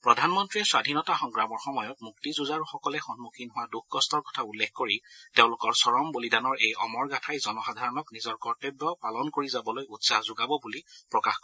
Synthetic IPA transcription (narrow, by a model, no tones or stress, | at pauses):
pɹɔdʱanmɔntɹiɛswadʱinɔtaxɔŋkɹamɔɹxɔmɔjɔt̚muktizuzaɹuxɔkɔlɛxɔnmukʰinɦʊwaduxɡɔstɔɹkɔ̥tʰaulːexkoɹiteʊ̃lʊkɔɹsɔɹɔmbolidanɔɹejɔmɔɹɡatʰajzɔnɔxadʱaɹɔnɔknizɔɹkɔɹtebɹɔpalɔnkoɹizabɔlojutsazʊɡabɔbulipɹɔkaxkɔ